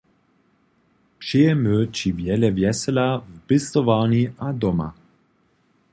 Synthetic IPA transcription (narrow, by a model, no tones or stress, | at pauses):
pʂijɛmøt͡ʃivjɛlɛvjɛsɛlavbɪst̪ɔvaɲiʔad̪ɔma̰